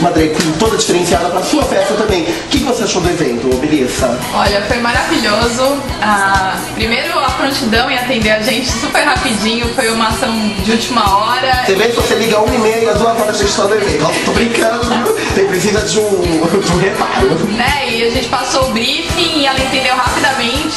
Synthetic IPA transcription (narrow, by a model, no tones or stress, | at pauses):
mɐ̃d̪ɾejkũt̪od̪ɐd͡ʒifeɾẽsiad̪ɐpɾɐsuɐfɛst̪ɐt̪ɐ̃mbẽj̃kɪkɪvoseaʃod̪ʊevẽnt̪ʊbelisɐ | ɔʎɐfojmaɾaviʎozʊ | a | pɾimejɾʊafɾõnt͡ʃid̪ɐ̃w̃ɪat̪ẽnd̪ewaʒẽnt͡ʃɪ̥supeɾɦapid͡ʒĩɲʊfojũmɐasɐ̃w̃d͡ʒɪut͡ʃimɐɔɾɐɐ̃bẽjkvoseliɡɐũimejɐinɐd̪uɐzɔɾɐɐʒẽnt͡ʃɪt̪ad̪ʊevẽnt̪ʊast̪obɾĩŋkɐ̃nɐũʊt̪ẽj̃pɾizĩzɐd͡ʒɪũd͡ʒũhepaɾʊnɛɪaʒẽnt͡ʃɪ̥pasoʊbɾifĩŋɪɛlɐẽt̪ẽnd̪ewɦapid̪ɐmẽt͡ʃɪ̥